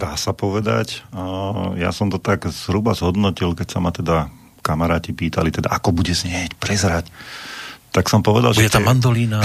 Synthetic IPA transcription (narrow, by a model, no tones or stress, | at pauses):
d̪aːsapɔʋɛd̪a̰c | ja̰sɔmt̪ɔt̪aɡz̥ɦɾubazɦɔd̪nɔcilkɛcsamat̪ɛd̪a | kamaɾaːcipiːt̪alit̪ɛd̪a̰ʔakɔbuɟɛzɲɛcpɾɛzɾac | t̪aksɔmpɔʋɛd̪a̰lʒuɛɛt̪aand̪ɔliːna